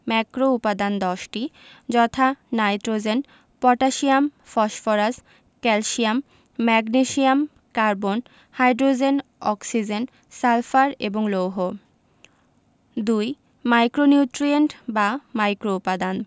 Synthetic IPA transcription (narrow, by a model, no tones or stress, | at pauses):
mɛkɾoupad̪and̪ɔʃʈid͡ʑɔt̪ʰanajʈɾod͡ʑen | pɔʈaʃiamfɔʃfɔɾas | kɛlʃiamː | ɛɡniʃiam | kaɾbon | hajɖɾod͡ʑenɔksid͡ʑen | salfaɾeboŋlowɦo | d̪uj | majkɾoniuʈɾieɳʈbamajkɾoupad̪an